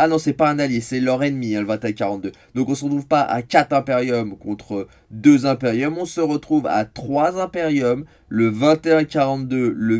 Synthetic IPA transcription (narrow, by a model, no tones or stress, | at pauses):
anɔ̃sɛpaɛ̃naljesɛlœʁenmiɛ̃ləvɛ̃t̪eɛ̃kʲaʁɑ̃t̪̚d̪ød̪ɔ̃kɔ̃səʁət̪χuvpaʔa̰kʲat̪χɛ̃peʁjɔmkɔ̃t̪χə | d̪øzɛ̃peʁjɔmɔ̃səʁət̪χuva̰t̪χwazɛ̃peʁjɔm | ləvɛ̃t̪eɛ̃kaʁɑ̃t̪̚d̪ølə